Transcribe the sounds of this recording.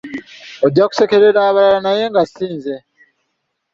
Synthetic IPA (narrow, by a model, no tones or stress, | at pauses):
od̪aku̥sekeɾeɾaːβaɾaɾanajeŋɡasiːnze